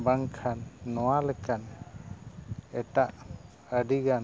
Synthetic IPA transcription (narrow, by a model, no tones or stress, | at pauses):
baŋkʰanːɔwalɛkan | ɛtaʔ | əɖiɡan